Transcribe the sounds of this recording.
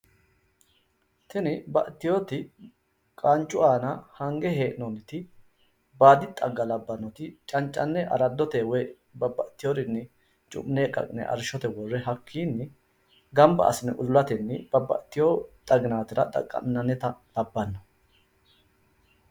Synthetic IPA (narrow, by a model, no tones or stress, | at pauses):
t̪ɛnɪbɐ̰ʔt̪ːɪjoːt̪ɪ | kʼant͡ʃʼːʊʔaːnɐhɐŋɡɛɦeːʔɪnɔnɪt̪ɪ | baːd̪ɪt̪ʼɐɡːɐlɐbːɐnːɔt̪ɪt͡ʃʼɐnt͡ʃʼːɐnːɛʔɐ̰ɾɐd̪ːɔt̪ewɔj | bɐbɐʔt̪ːɪjoɾɪnːɪ | t͡ʃʼʊ̰mneːkʼɐ̰kʼɪnɛ̰ʔɐ̰ɾʃɔt̪ɛwɔrːɛɦɐkʰːiːnːɪ | ɡɐmbɐ̰ʔɐ̰sɪnɛʔʊllɐt̪ɛnːɪb̥ɐbɐ̰ʔt̪ːɪjoːt̪ʼɐɡɪnaːt̪ɪɾɐ̰t̪ʼɐ̰kʼːɐ̰nːɐnːɛt̪ɐlɐbːɐnːɔ